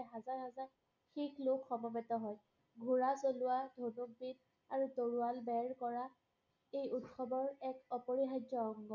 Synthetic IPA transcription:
ɦazaɹɦazaɹ | xiklokʰxɔmɔbɛtɔɦɔj | ɡʱuɹasolʊwadʱonuk̚bid | aɹutoɹualbɛɹkɔɹa | ejutxɔbɔɹɛkɔpɔɹiɦad͡ʒjɔɔŋɡɔ

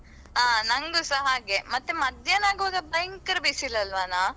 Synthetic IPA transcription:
aːnɐŋɡusɐɦaːɡemɐt̪ːemɐd̪ʱjɐnaːɡoʋaːɡɐbɐjŋkɐɾbisilːɐlʋanaː

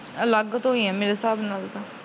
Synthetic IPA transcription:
ələɡt̪ɦoiɛ̃ːmeːɾesaːbnalt̪aː

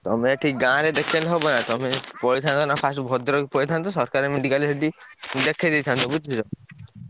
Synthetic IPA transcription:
t̪ɔmeʈʰikɡãɾed̪ekʰelɔɦɔbɔnat̪ɔmepɔɽit̪ʰant̪ɔnapʰasʈbʱɔd̪ɾɔpɔit̪ʰant̪ɔsɔɾkaɾemiɖikaleeʈid̪ekʰed̪it̪ʰant̪ʰɔbut͡ʃʰid͡ʒɔ

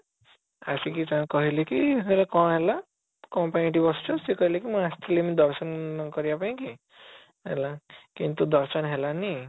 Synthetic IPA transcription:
a̰sikit͡ʃaãkɔɦilekiɦelakɔɽ̃ɦela | kɔpaniʈ̬ibɔst͡ʃʰɔsekɔɦilekimũast̪ʰilemid̪ɔɾsɔnkɔɾibapaĩki | ɦḛlakint̪ud̪ɔɾsɔnɦelani

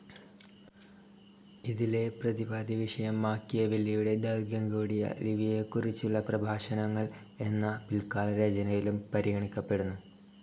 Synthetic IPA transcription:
iðile̞prɐðibaːd̪ʱiʋiʂɐjɐmːaːkːijɐʋilːijuɽe̞d̪ɐrɡjɐŋɡuːɽijɐ̰liʋije̞kːurit͡ɕːuɭːɐprɐbʱaːʂɐnɐŋːɐɭ | e̞nːɐpilkaːlɐɾeːd͡ʑɐnɐʋilumpɐɾiɡɐɳikʲːɐpːe̞ɽunːu

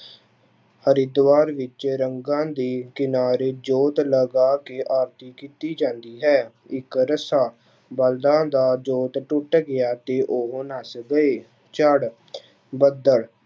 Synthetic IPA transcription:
həɾɪd̪ʋaːɾʋɪt͡ʃɾəŋɡãːd̪iːkɪnaːɾeːd͡ʒoːt̪ləɡaːkeːʔaːɾt̪iːkiːt̪iːd͡ʒãːnd̪iːɦɛː | ɪkɾəsaː | bəld̪ãːd̪aːd͡ʒoːt̪ʈʊʈɡɪaːt̪eːʔoɦnaːsɡəeː | t͡ʃəɽ | bəd̪əɭ

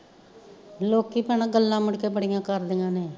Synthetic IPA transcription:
loːkːiːpəɳaːɡəlːãːmɪɽkeːbəɽɪjãːkəɾd̪ɪjãːneː

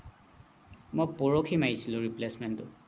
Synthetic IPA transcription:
mojpɔɹɔkʰimaisilʊɹiplesmɛntʊ̰

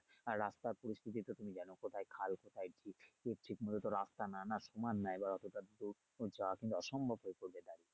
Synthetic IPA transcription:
aɾɾast̪aɾpoɾist̪ʰit̪̬it̪ot̪umid͡ʑanokot̪ʰajkʰalkot̪ʰajʈʰikeɾʈʰikmɔd̪ʱot̪oɾast̪ananaʃumanːaebaɾɔt̪oʈad̪uɾ | d͡ʑawakint̪uɔʃɔmbʱobɦoepoɾbed̪aɾi

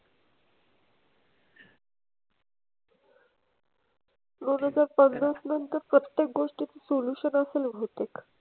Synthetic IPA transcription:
d̪onɦəd͡zaɾpənːəsnənt̪əɾpɾət̪jek̚ɡoʂʈit͡s̪isoluɕənəselʋʱot̪ek

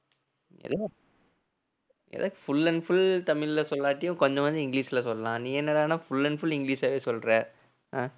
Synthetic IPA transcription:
ɛ̰ðɐ | ɛ̰ðɐkːfʊlːɐnfʊlt̪ɐmɪɭɪlɐsɔlːaːʈːɪjʊ̃kɔɲd͡ʒɐ̃ʋɐnd̪ɯɪŋɡliːsɪlɐsɔlːɐlãːnĩːɛnːɐɽaːnaːfʊlːɐnfʊlɪŋɡliːsaːʋeːsɔlɾɛː | aː

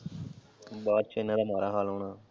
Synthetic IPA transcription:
ɓaːɾ̚t͡ʃʰoːɪnãːd̪aːmaːɾaːɦaːlɦoːɳãː

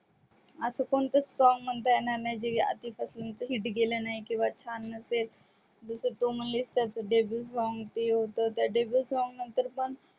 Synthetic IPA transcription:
asəkoɳt̪əsɔŋɡm̤əɳt̪ajenaɾnajd͡ʑea̰t̪ifaslemt͡səɦiːʈɡelenaɦikĩw̃ʋat͡ɕʰanːəsel | d͡zəsət̪oməlist̪jat͡səɖebəlsɔŋɡt̪eɦot̪ət̪jaɖebəlsɔŋɡnənt̪əɾpəɳ

